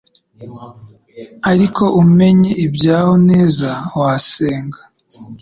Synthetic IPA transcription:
aɾikʰo̞ʔume̞ɲeʔibɟaːhoneːzawaseːŋɡḁ

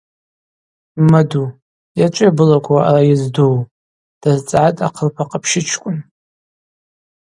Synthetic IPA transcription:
madu | jat͡ʃʷʼabɨlakʷʰaarajɪzduw | d̥azt͡sʼʕatʼaqʰərpʰaqʼəpʰʃɪt͡ʃʷʰkʷʼʊn

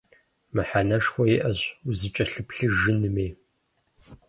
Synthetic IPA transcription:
mɨħanɐʂxʷɔjɪʔɐɕuzɨt͡ʃʼɐɬɨpɬɨʒɨnɨmeː

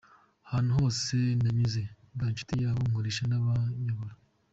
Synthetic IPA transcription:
haːn̥uɦo̞ːse̞naɲuze̞ | banʃu̥tijaːβomhoɾiʃanaβaɲaβaɾa

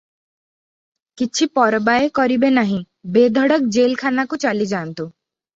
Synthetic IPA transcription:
kit͡ʃʰipɔɾbajekɔɾibenaɦĩ | bed̪ʱɔɽɔk̚d͡ʒelkʰanakut͡ʃalid͡ʒaːnt̪u

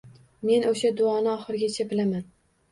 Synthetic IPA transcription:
me̞noʃad̪ʊɒnɪɒχɨɾɪɡʲat͡ʃʰabɪlaman

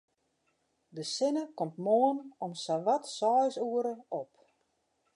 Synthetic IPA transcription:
dəsɪnəkɔmtmoənɔmsaʋatsɔːjsuəɾəop

